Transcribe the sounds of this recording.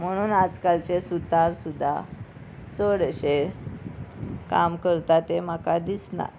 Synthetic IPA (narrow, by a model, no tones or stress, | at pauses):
m̤əɽ̃uːnad͡zkalt͡ɕesut̪aɾsud̪ʱːa̰ | t͡səɽɕe | kamkəɾt̪at̪em̤akad̪isna̰